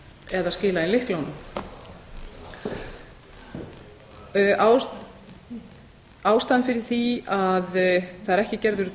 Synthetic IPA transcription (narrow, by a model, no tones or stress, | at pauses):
ɛðaðscɪːlaɪnlɪhklownʏ | ʔaw | aːwst̪anfɪɾɪɾ̥θiaðθaðɛɾɛhcɪcɛɾðʏɾ